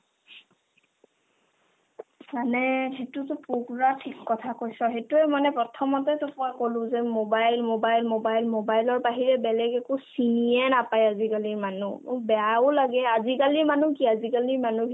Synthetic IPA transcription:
manɛhetutʊpuɡuɹatʰikːɔtʰakojsɔɦetuɛmanɛpɹɔtʰɔmɔtɛtʊpʊakolʊ̃zɛmobajlmobajlmobajlmobajlɔɹpaɦiɹɛbɛlɛɡɛkusinijɛnapajazikaliɹmanumbɛaʊlaɡɛazikaliɹmanukiazikaliɹmanu

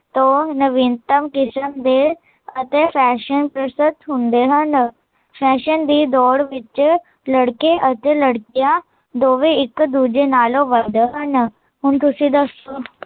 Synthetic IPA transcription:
t̪õːnəʋɪnt̪əmkɪsəmd̪eː | ət̪eːpʰɛːʃənpɾəsət̪ɦʊnd̪eːɦən | pʰɛːʃənd̪iːd̪ɔːɽʋɪt͡ʃ | ləɽkeːʔət̪eːləɽkijãː | d̪oːʋeːɪkd̪uːd͡ʒeːnaːlõːʋəd̪ɦən | ɦʊɳt̪ʊsĩːd̪əsoː

